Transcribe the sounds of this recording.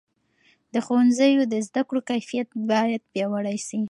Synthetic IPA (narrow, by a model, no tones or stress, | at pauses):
d̪əxowanzəjod̪əzd̪akɽokajfijat̪̚bɑjad̪̚bjɑwaɽajsi